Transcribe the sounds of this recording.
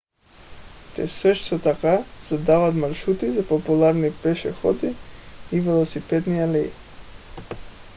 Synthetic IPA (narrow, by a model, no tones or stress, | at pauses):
t̪ɛ̰səʃt̪ot̪akaz̥ad̪avat̪maɾʃut̪izapopulˠaɾnipɛʃɛxɔd̪iːvɛlˠɔsipɛd̪nialɛi